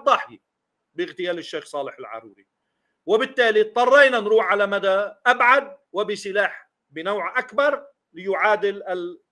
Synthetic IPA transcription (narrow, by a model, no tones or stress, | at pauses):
d̪ˤɑħji | bɪɣt̪ɪjaːlɪʃːeːxsˤɑːlɪħɪlʕɑ̰ɾˤṵːɾi | wɪbɪt̪ːaːlit̪ˤːɑrˤːɑjnanɾuːħʕalamad̪aʔabʕad̪̚wɪbɪsɪlaːħ | bɪnawʕʔakbɑɾˤ | lɪjʊʕaːd̪ɪlɪl